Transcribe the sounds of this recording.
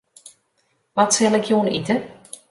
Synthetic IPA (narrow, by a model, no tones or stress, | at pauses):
ʋɔtsɛlˠɪkʰjoːənitə